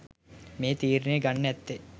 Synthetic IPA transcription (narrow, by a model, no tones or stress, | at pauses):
meːt̪iːɾineɡɐnːɛt̪ːe